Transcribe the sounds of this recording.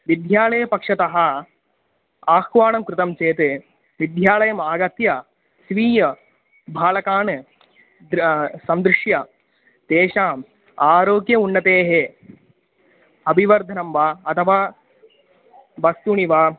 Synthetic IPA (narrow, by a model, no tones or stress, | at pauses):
ʋid̪ʱjaːlɐjɐpɐkʂɐt̪ɐɦɐ | aːxʋaːɳɐmkɾut̪ɐmt͡ʃeːt̪ɨ | ʋid̪ʱjaːlɐjɐmaːɡɐt̪jɐ | sʋiːjɐ | bʱaːlɐkaːɳɨ | d̪sɐnd̪ɾɨʂjɐ | d̪eːʃaːm | aːɾoːɡjɐunːɐt̪eːɦe | ɐbʱiʋɐɾd̪ʱɐnɐmʋaːɐt̪ʰɐʋa | ʋɐst̪uɳiʋaː